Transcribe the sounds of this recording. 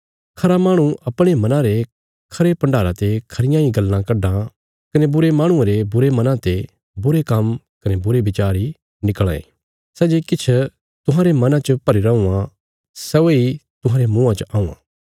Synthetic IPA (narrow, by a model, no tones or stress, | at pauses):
kʰɐɾamãːɽ̃ũʔɐpɽ̃emɐnãɾe | kʰɐɾepɐ̃ɳɖʱaːɾãt̪ekʰɐɾɪjãĩɡɐlːãkɐɖã | kɐnebʊɾemãːɽ̃ũẽɾebʊɾemɐnãt̪e | bʊɾekɐm | kɐnebʊɾebɪt͡ʃaːɾi | nɪkɭ̃ã̰ḛ | sɛːd͡ʒekɪt͡ʃʰ | t̪ʊɦãːɾemɐnãt͡ʃəpɐɾiɾɐũːã | sɛoit̪ʊ̃ɦãːɾemũːãt͡ʃəʔaːũːã̰ː